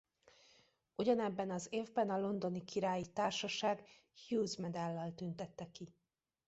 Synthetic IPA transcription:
uɟɒnɛbːɛnɒzeːvbɛnɒlo̞nd̪o̞nikiɾaːjit̪aːrʃɒʃaːɡ | hjuːzmɛd̪ɛlːɒlt̪ynt̪ɛt̪ːɛki

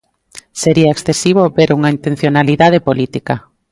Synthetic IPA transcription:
seɾiɐeksθesiβ̞obeɾuŋaint̪ẽn̟θjonaliðað̞epolit̪ika

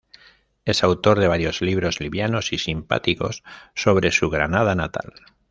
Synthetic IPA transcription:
e̞sawt̪o̞ɾðe̞β̞aɾjo̞zliβ̞ɾo̞zliβjano̞sisimpa̰t̪iko̞̰sːo̞β̞ɾe̞suɣɾanað̞anat̪a̰l

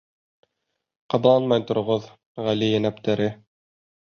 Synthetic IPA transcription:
qɑblˠɑnmɑjt̪ŏɾŏʁoð | ʁælijænæp̚t̪æɾɘ

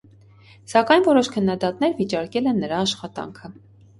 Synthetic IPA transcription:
sɑkɑjnvɔɾɔʃkʰənːɑd̪ɑt̪nɛɾvit͡ʃɑɾkɛlɛnːəɾɑːʃχɑt̪ɑ̰ŋkʰə

